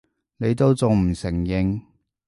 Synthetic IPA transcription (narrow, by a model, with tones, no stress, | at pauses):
ne˨˧jt̪o˥wt͡sʊ˨ŋm̩˨˩sɪ˨˩ŋjɪ˨˧ŋ